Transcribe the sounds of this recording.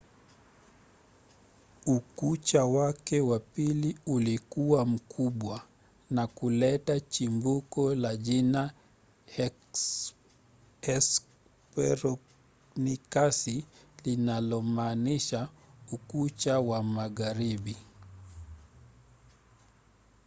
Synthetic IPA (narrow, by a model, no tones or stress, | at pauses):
ukut͡ʃawakɛwapiliulikuwam̩kʰuɓwa | nakulɛtat͡ʃimbukɔlaʄina | ɛs | pɛɾɔ | nikasilinalɔmaːniʃaukut͡ʃawamaɣaɾiɓi